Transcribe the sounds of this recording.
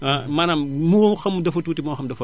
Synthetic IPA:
amɐnammuxɐmdɐfotuːtimoːxɐmdɐfɐ

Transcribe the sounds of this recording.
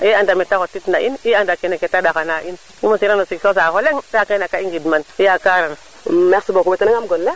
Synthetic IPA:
eandametakotitnaʔiniandakeneketadakanaʔin | imosiɾanosiksos̬axoleŋdakanakaiŋɡidmaniakaɾana | meksibokubetanaŋamɡolːa

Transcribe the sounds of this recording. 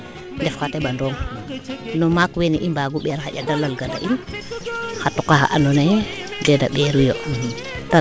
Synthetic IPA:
ndɛfkatɛɓandɔːŋ | nɔmakweniʔimbaɡuɓɛɾxaɟadalalɡada̰ʔin | xatukaxa̰ʔanɔnajɛdɛda̰ɓɛɾujo | ta

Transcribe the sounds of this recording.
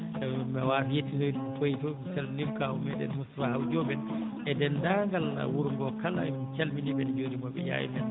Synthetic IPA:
ɛmɛwafijetːinɔdtojitɔsɛlnimkaumɛɗɛ̰nmustafahawd͡ʒɔbɛnʔɛdɛndaŋɡalna̰wuɾŋɡɔkala̰mit͡ʃalminibɛnd͡ʒodimɔbɛ̰ja̰jḭmɛn

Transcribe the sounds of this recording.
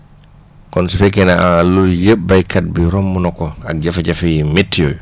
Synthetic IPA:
kɔnsifɛkɛnaʔanaluljebːajkat̚biɾɔmːunɔkɔak̚d͡ʒafad͡ʒafajimetːijɔ̰j

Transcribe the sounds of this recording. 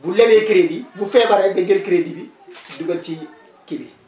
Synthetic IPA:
bulːebekiɾedibufɛ̃baɾabeɡelkiɾedibi | duɡolt͡ʃi | kebi

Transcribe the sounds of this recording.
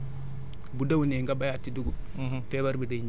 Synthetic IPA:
budawuneŋɡabajatːiduɡu | fɛbaɾbidaɲ

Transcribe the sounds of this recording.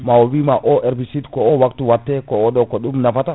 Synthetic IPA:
mawowimaʔɔʔɛɾbisitkɔɔwaktuwatːɛkɔɔɗɔkɔɗumnafata

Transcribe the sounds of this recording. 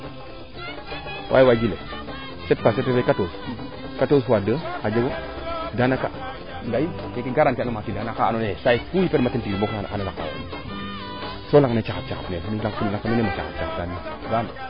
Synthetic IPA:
wʔa̰jiwaɡilḛ | set̚pasetːefekatos | katosadəkad͡ʒeɡodanaka̰ | ɡaji | kekiɡaɾankenomatilanakaa̰nonesaikujipetmatintiboka̰nalaka̰w̰n | solaŋnet͡ʃakap̚t͡ʃakapnenilakkullaŋkanonemat͡ʃa̰ka̰p̚t͡ʃakap̚dani | ɡan

